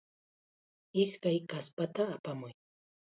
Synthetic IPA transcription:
ɪskajkaspat̪aːpamʊj

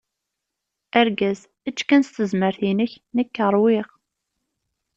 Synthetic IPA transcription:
æɾɡæz | æt͡ʃːkænst̪əzməɾθinəç | nəkːəɾˤwɪʁ

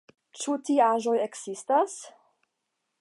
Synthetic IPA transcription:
t͡ʃutiaʒojekz̥istas

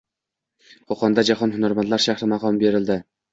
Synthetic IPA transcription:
qʰoqɒnd̪ad͡ʒahɒnhʊnaɾmant̪laɾʃaχɾɪmɑqɒmbe̞ɾɪld̪ɪ

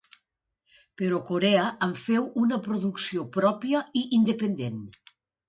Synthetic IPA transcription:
peɾɔkoɾɛaaɱfɛwunɐpɾoðuksiopɾɔpjɐiʔːnd̪epend̪en

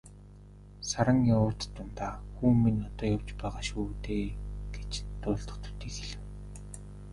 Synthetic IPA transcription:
saɾə̆ŋjaʊːrt̪t̪ːʊnt̪aːxuːmːinɔt̪ɔːjaw̥t͡ɕpæːʁaːʃuːt̪eːɡ̥et͡ɕt̪ʊːɮt̪ɞ̥̆t̪u̥t̪iːkxeɮɘ̆w

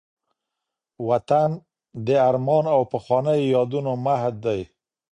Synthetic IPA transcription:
wat̪an | d̪əaɾmɑnawpəxwɑnəjjɑd̪unomahd̪d̪aj

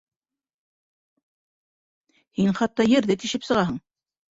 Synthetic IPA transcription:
hinχɑt̪ːɑjɘ̆ɾðɘt̪iʃɘpsɤ̆ʁɑɦɤɴ

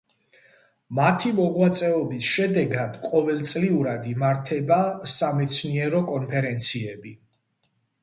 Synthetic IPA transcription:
mat̪ʰimɔʁwat̪sʼɛɔbisʃɛd̪ɛɡad̪qʼɔvɛlˠt̪sʼliuɾad̪imaɾt̪ʰɛbasamɛt̪sʰniɛɾɔkʼɔnpʰɛɾɛnt̪sʰiɛbi

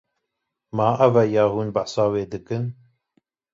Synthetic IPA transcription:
mɑːʔɐvɛjɑːhuːnbaħsɑːweːd̪ɨkɨn

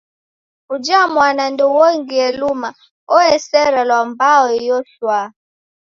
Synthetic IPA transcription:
ud͡ʒamwanandɔwɔŋɡiɛluma | ɔɛsɛɾalwambawɔjɔʃwa

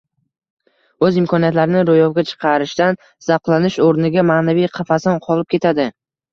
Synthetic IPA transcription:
ɵzɪmkʰɒnijat̪laɾɪnɪɾojɒwɡʲat͡ʃʰɨ̥qʰɑɾɪʃt̪an | z̥ɑqlˠanɪʃoɾnɪɡʲamaːnavijqʰɑfasɒnqʰɒlˠɪp̚kʲʰe̞t̪ʰad̪ɪ

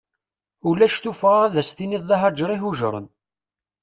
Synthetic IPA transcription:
ulæʃt̪ufʁaʁæðæst̪iniðˤːɑɦɑd͡ʒɾˤiɦuʒɾˤə̰n

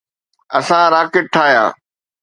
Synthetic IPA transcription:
ɐsãɾaːkɪʈ̚ʈʰaːjã̰ː

